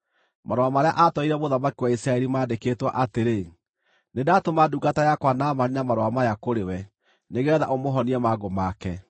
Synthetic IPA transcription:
mʔaɾowamaɾea̰ʔatɔiɾɛβoðamakiwaisɾaɛɾimaːdeketwa̰ʔateɾe | nedatomaduɡatajakwanamaɾinamaɾowamajakoɾewɛ | neɣɛːða̰ʔomoɦɔniɛmaɣomakɛ

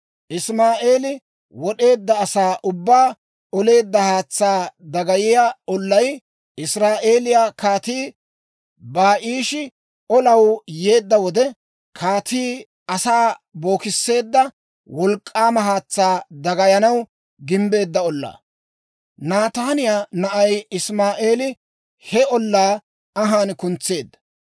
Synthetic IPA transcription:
ʔɪsmaːʔe̞ːlɪ | wɔɗe̞ːd̪ːɐːsaːʔʊbːaː | ɔle̞ːd̪ːɐhaːt͡sːaːd̪ɐɡɐjɪjaɔlːɐj | ʔɪsɾaːʔe̞ːlɪjakaːt̪iː | baːʔiːʃɪ | ɔlɐwje̞ːd̪ːɐwɔd̪ɛ | kʰaːt̪iː | ɐsaːbo̞ːkɪsːe̞ːd̪ːɐ | wɔlkʼːaːmɐɦaːt͡sːaːd̪ɐɡɐjɐnɐw | ɡɪmbe̞ːd̪ːɐɔlːa̰ː | naːt̪aːnɪjaːnɐʔɐjɪsmaːʔe̞ːlɪ | hɛɔlːaː | ɐɦaːnkʊnt͡sːe̞ːd̪ːɐ̥

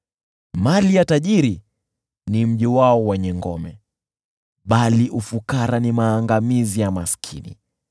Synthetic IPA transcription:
malijataʄiɾi | nim̩ʄiwaɔwɛɲɛŋɡɔmɛ | ɓaliʔufukaɾanimaːŋɡamizijamaskʰḭnḭ

